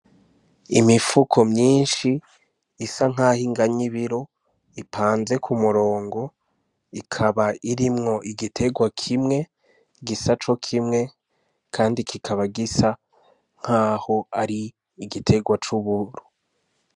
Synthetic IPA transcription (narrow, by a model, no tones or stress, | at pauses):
imifukʰo̞mɲiːnʃiː | saŋ̥aːhiŋɡaɲiβiɾo̞ | ipʰaːnze̞kʰumuɾo̞ːŋɡo̞ | ikʰaβaiɾimŋo̞ʔiɡitʰe̞ɡwakʰimŋe̞ | ɡisat͡ʃo̞kʰimŋe̞ | kʰaːndikʰikʰaβaɡisa | ŋ̥aːho̞aɾiː | ɡitʰe̞ɡwat͡ʃuβuɾu